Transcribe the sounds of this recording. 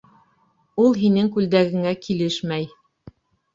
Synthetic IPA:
ulˠɦinɘŋkʉld̪æɡɘ̆ŋækʰilɘʃmæj

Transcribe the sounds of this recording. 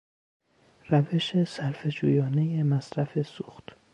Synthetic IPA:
ræve̞ʃesæɾfe̞d͡ʒṵːjɒːne̞jemæsɾæfe̞suːxt̪

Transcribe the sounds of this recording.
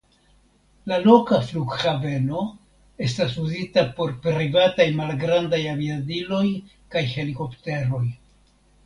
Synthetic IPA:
lalo̞kafluɡxave̞no̞ | e̞stas̬uzitapo̞ɾpɾivatajmalɡɾandajaviadilo̞j | kajhe̞liko̞pte̞ɾo̞j

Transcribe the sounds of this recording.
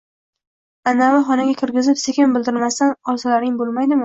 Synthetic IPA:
anːavɪχɒnaɡʲakʲʰɪɾɡʲɪzɪpsekʲɪmbɪld̪ɪɾmast̪anɒlsalaɾɪŋbolˠmajd̪ɪmɪ

